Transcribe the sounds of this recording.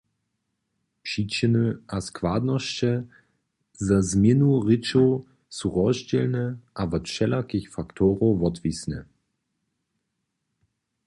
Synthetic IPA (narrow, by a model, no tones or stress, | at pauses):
pʂit͡ɕənəʔaskv̥ad̪nɔʃt͡ɕɛ | zazmʲjɪnuʁɪt͡ʃo | suʁɔʑd͡ʑɛlnəʔavɔtʃɛlakiçfakt̪ʰɔʁovɔt̪visnɛ̰